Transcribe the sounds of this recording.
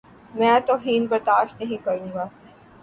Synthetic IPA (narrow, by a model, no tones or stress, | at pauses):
mɛ̃ːt̪oːɦiːnbɐɾd̪aːʃt̪nɐɦĩkɐɾũŋɡaː